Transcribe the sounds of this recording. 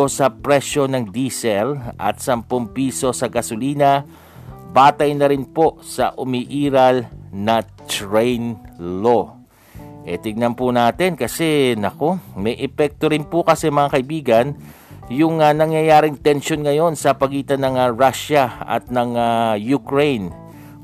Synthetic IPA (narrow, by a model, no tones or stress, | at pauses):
osɐpɾɛʃjo̞nɐŋd̪isɛlʔɐ̰t̪̚sɐmpoŋpiːso̞sɐɡɐsoliːna | baːt̪ɐjnɐɾɪnpo̞ʔsɐ̰ʔʊmiʔiːɾɐlnɐ | t̪ɹɛjnlo̞ | ʔɛt̪ɪɡ̚nɐnpʊnaːt̪ɪnkɐsɛnɐko̞mɛjʔɛpɛk̚t̪o̞ɾɪnpʊkɐsɛmɐŋakɐʔɪbiːɡɐn | jʊŋanɐŋjɐjaːɾɪŋt̪ɛnʃonŋɐjo̞nsɐpɐɡiːt̪ɐnɐŋaɹaʃaɐ̰t̪̚nɐŋajʊkɹejn